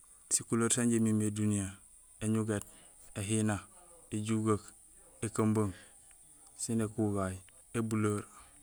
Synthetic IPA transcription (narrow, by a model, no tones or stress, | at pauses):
sikuloːɾsaɲɟemimedunija | eɲuɡet | eɦina | eɟuɡak | ekamboŋ | sinekuɡaj | ebuloɾ